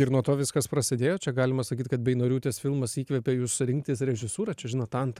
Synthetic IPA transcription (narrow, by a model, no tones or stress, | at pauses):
ɪɾnuɔt̪oːʋʲɪskɐspɾɐsʲɪd̪ʲeːjoːt͡ʃʲɛɡɑːlʲɪmɐsɐkʲiːt̪kɐt̪̚bʲɛɪnoːɾʲuːt̪ʲeːsfʲɪlˠmɐsiːkʋʲɛpʲeːjuːssʊɾʲɪŋkt̪ʲɪsɾʲɛʒʲɪsuːɾɐt͡ʃʲɛʒʲɪnɐt̪ɐnt̪